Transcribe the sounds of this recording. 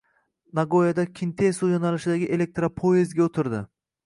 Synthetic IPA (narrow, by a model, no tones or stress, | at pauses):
naɡojad̪akʲʰɪnt̪ʰesujonalɪʃɪd̪aɡʲɪʔe̞le̞k̚t̪ɾapʰoezɡʲaot̪ʰɪɾd̪ɪ̰